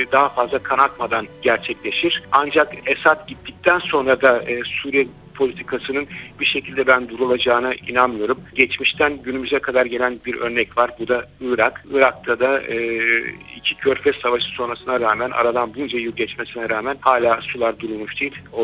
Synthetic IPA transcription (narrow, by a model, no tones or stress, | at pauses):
d̪aɦafazlˠakʰanat̪̚mad̪anɟæɾt͡ʃʰɛclʲe̞ʃiɾ̥and͡ʒakesat̪ɟit̪ʰːic̚t̪ʰænso̞nɾad̪aːsuːɾijɛ | pʰolʲit̪ʰikʰasɯnɯnbiʃe̞cʰilʲd̪ɛbænd̪uɾulˠad͡ʒaːnaʔḭnanmɯjo̞ɾumɟɛt͡ʃmiʃt̪ʰænɟynymyzɛkʰad̪aɾɟe̞lʲænbiɾøɾnɛcvaɾbud̪aɯɾakɯɾak̚t̪ʰad̪aɯːḭcʰicʰøɾfɛsavaʃɯ̥so̞nɾasɯnaɾaːmænʔa̰ɾad̪anbund͡ʒajuɾɟɛt͡ʃmesinɛɾaːmænhaːlʲaːsulˠaɾd̪uɾulˠmuʃd̪̥ejilʲo